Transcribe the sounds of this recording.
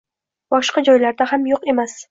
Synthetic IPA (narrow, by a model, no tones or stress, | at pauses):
bɒʃqɑd͡ʒɒjlaɾd̪ahamjoqe̞mas